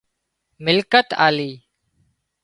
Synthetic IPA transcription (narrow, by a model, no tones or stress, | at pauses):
mɪlkət̪a̰ːliː